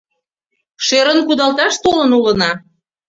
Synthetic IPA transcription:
ʃeɾənkud̪ɑlt̪ɑʃt̪olə̆nulə̆nɑ

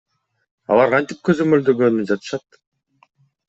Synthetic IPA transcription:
ɑ̰lˠɑɾqʰɑnt̪ip̚kø̞zø̞møld̪øɡønyd͡ʒɑt̪ɯ̥ʃɑt̪̚

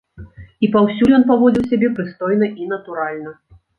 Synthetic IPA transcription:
ipawsʲulʲjɔnp̬avɔd͡zʲiwsʲabʲɛpɾɨst̪ɔjnɐʔinɐt̪uɾalʲnɐ

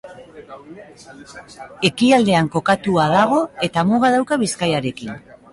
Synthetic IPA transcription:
e̞kiald̪e̞aŋko̞kat̪uaðaɣ̞o̞e̞t̪amoɣað̞awkaβiskajaɾe̞kin

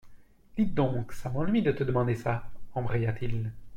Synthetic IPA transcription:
d̪̥it̪̚d̪ɔ̃ksamɑ̃lɥid̪ət̪əd̪əmɑ̃d̪esaɑ̃bʁejat̪ʰil

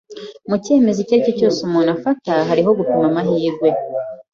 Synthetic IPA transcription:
muce̞ːme̞ziceɾicocoːsomonafataɦaɾiɦo̞ɡupimamaɦiːɾɡwe̞

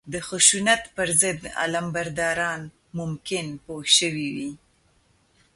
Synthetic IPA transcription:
d̪əxʊʃunat̪pəɾzəd̪a̰lambaɾd̪ɑɾɑn | mʊmkɪnpohʃəwiwi

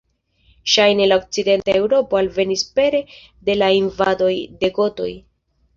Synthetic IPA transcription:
ʃajne̞laok̚t͡side̞ntae̞wɾo̞po̞alve̞nispe̞ɾe̞ | de̞lainvado̞jde̞ɡo̞to̞̰j

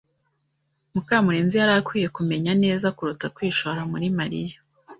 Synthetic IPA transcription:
mukaːmuɾeːnzijaɾakwiːje̞kume̞ɲane̞ːzakuɾutakwiːʃoɾamuɾimaɾija

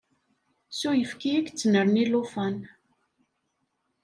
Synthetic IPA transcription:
sujəfkijækt͡sːənəɾnilufæn

